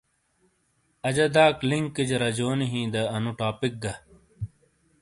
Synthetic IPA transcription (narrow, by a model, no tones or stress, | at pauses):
ɐd͡ʑɐd̪aːkliŋkːid͡ʑɐɾɐd͡ʑoːniɦĩːd̪ɐɐnuʈaːpik̚ɡɐ